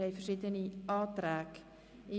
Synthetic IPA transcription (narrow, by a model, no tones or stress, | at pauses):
əjfərsitəniɑːtræk | i